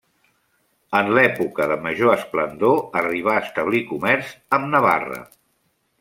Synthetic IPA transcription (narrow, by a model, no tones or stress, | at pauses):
ənlɛpukəðəməʒoəsplənd̪oəriβ̞aːst̪əβ̞likumɛɾzəmnəβa̰rə̰